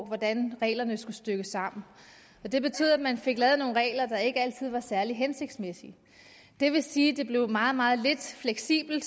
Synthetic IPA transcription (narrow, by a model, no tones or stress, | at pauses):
ʋɒd̥ænʁɛ̰ːlɐnəsɡ̥usd̥øɡ̥əsɑ̈m̰n̩ | ɒ̽d̥e̝b̥e̝t͡sʰy̰ð̰ˠædmænfe̝ɡ̥lɛːð̞̩ˠno̝ːnʁɛ̰ːlɐd̥ɑ̈e̝ɡ̥əæl̰t͡sʰið̞̰ˠʋɑ̈sæɐliɦense̝ɡ̥d̥smesi | d̥e̝ʋe̝siːd̥e̝b̥le̝ʊmɑ̈ːð̩ˠmɑ̈ːð̞̩ˠle̝d̥fleɡ̥sḭːb̥l̩d̥